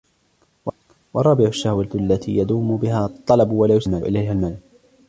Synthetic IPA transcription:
wɑ | wɑrˤɑːbɪʕʊʃːahwaalːat̪ḭːjad̪uːmʊbɪhaːt̪ˤːɑlɑbwalaːjʊsmaʔɪ̰lajɦalmal

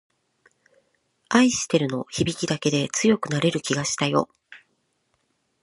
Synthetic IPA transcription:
aiɕi̥t̪e̞ɾɯ̟no̞çibʲikʲid̪ake̞d̪e̞t͡sɨjo̞kɯ̟naɾe̞ɾɯ̟kʲiɡaɕi̥t̪ajo̞

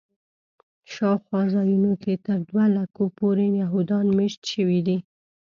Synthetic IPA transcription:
ʃɑwxwɑzɑjunoket̪əɾd̪walakopoɾenaɦud̪ɑnmeʃt̪ʃəwid̪i

